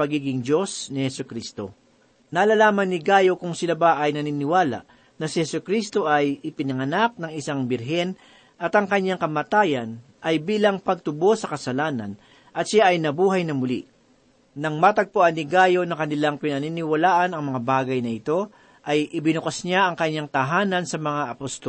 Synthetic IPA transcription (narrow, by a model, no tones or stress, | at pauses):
pɐɡiːɡɪŋd͡ʒo̞snɪhɛsʊkɾist̪o̞̰ | naːlalaːmɐnːɪɡaːjo̞kʊŋsɪlabaʔɐjnɐninɪwaːla̰ʔ | nɐsɪhɛsʊkɾist̪o̞ʔɐjɪpɪnɐŋɐnak̚nɐŋɪsaŋbɪɾɦɛn | ʔɐt̪ɐŋkɐɲːaŋkɐmat̪aːjɐn | ʔɐjbiːlɐŋpɐɡ̚t̪ʊbo̞sːɐkɐsɐlaːnɐ̰n | ʔɐt̪ʃaʔɐjnɐbuːɦɐjnɐmʊlḭ | nɐŋmat̪ɐɡ̚pʊʔanːɪɡaːjo̞nɐkɐnɪlaŋpɪnɐninɪwɐlaːʔɐnɐŋmɐŋabaːɡɐjnɐʔɪt̪o̞ | ʔɐjʔɪbɪnʊkɐsɲaʔɐŋkɐɲːaŋt̪ɐɦaːnɐnsɐmɐŋaʔɐpost̪ol